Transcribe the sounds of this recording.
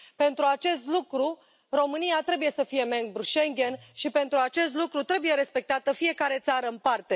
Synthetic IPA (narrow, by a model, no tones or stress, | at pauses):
pe̞nt̪ɾuat͡ʃe̞st̪lukɾu | ro̞mɨniat̪ɾe̞buje̞səfije̞meŋɡ̚bɾuʃe̞ŋɡʲe̞nʃipe̞nt̪ɾuat͡ʃe̞st̪lukɾut̪ɾe̞buje̞ɾe̞spe̞k̚t̪at̪əfije̞kaɾe̞t̪saɾəɨnpart̪e̞